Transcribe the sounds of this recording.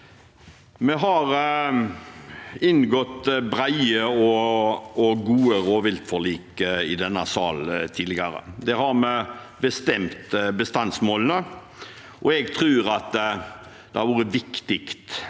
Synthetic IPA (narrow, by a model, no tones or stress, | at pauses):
mɛɦɑɾ | ɪnɡɔt̪bɾæɪəɔ | ɔɡuːəɾoːʋɪlt̪fɔliːkɪd̪ɛnːɑsɑ̰ːlt̪ʰiːd̪lɪɡɑɾə̰d̪ɛhɑɾmɛ | bəst̪ɛmt̪bəst̪ɑnsmoːlənə | ʔɔɛɡt̪ʰɾʉːʁɑt̪ | d̪̥ɛhɑɾʋuːɾəʋɪkt̪ɪkt̪